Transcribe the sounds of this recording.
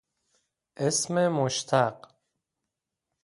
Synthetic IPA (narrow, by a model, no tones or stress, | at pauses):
ʔesmemoʃt̪ʰaq